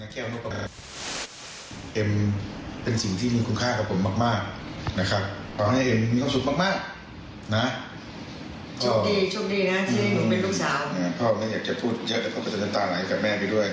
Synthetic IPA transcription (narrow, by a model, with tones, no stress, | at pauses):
na˧˩kɛː˥˩naː˥˩ka˨˧ | ʔe˧mpe˧nsi˨˩ŋt̪ʰiː˥˩miː˧kʰu˧nkʰaː˥˩ka˨˩pʰːo˩˦mːaː˧˥˩k̚maː˥˩k̚na˦˥kʰa˦˥p̚pʰɔː˧ha˥˩ʔe˧˩mmiː˧kʰwa˧˥˩su˨˦k̚maː˥˩k̚maː˥˩k̚ | na˦˥ | pʰɔː˧˩diː˧˩t͡ɕʰu˥˩˨ŋ̚diː˧na˦˥sʰpe˧nɾuː˥˩k̚saː˨˦wʔaː˧˩pʰɔː˧˩˧maː˧˥˩jaː˨˩k̚t͡ɕa˨˩pʰuː˥˩t̪̚ja˦˥ʔ̪ɛ˧˩pʰɔː˧˥˩kːɔ˧˩t͡ɕa˨˧me˧nt̪aː˧laː˨˦a˧˩ka˨˩p̚mɛː˥˩pa˧jdu˥˩əj